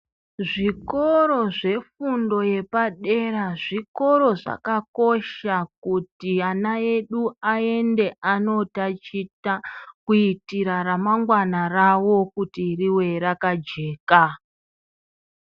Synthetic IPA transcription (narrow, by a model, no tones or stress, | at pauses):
ʐikoɾo̞ʐe̞fundo̞je̞paɗe̞ɾaʐiko̞ɾo̞ʐa̰kako̞ʃak̚utianae̞ɗuae̞nde̞ʔano̞tat͡ʃitakuitiɾaɾamaŋɡwanarawo̞kutiriwe̞ɾakad͡ʒe̞ːka